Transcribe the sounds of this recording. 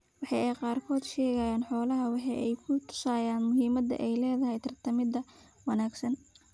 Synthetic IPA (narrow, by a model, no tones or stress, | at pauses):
wɑħɑjɛjqɑːrkʰɔːd̪ʃɛːɣɐjaːnħɔːlɐɦɐwɑħɑʔɛjkʰʊt̪ʰʊ̥saːjaːnmʊɦiːmɐd̪ɐ̰ʔɛjlɛːðɐɦɛjt̪ʰɐrt̪ʰɐmɪd̪ɐ | wɑnaːɡsɐn